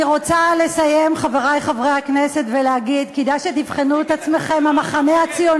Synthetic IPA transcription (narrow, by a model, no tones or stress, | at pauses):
iʁot͡sale̞saje̞mχaveʁajχavʁejhaknese̞t̪velehaɡid̪kid̪ajʃet̪ifχenuet̪at͡sme̞χe̞mamaχameat͡sijo